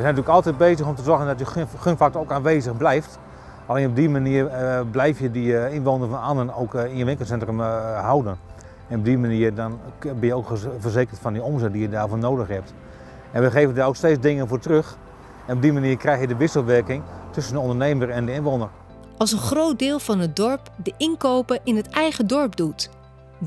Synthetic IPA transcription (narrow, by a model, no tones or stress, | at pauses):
ʋəsɛnətyləkɔlˠtɛt̚beːzəxɔmtəzɔrɣəndɔtjəxønfak̚toowkaːnʋeːzəxblɛjft | alˠenɔb̚dimaniːərblɛjfjədiɪnʋoːnərfɔnanənowkiənʋɪŋkəlsɛntrəmhawdən | ɛnɔb̚dimaniərdɔnbɪnjəoːkvərzeːkərtfɔndiomzɛt̚dijədaːrfoːnoːdəxhɛp̚t | ɛnʋəχeːvəndaowksteːt͡sdɪŋənvoːtrøx | ɛnɔb̚dimaniːəkrɛjxjədəʋɪsəl̩ˠʋɛrkɪŋtʰøsəndəondərneːmərɛndəɪnʋoːnər | ɑlˠs̬ənχrowt̚dɪːlˠvɑnɦət̚dɔɹpdəʔɪnkoːwpəʔɪnətɛjχədɔɹpdut